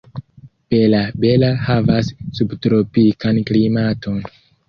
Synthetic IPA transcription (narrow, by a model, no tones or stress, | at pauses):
pelabe̞lahavasːubtɾo̞pikanklimato̞n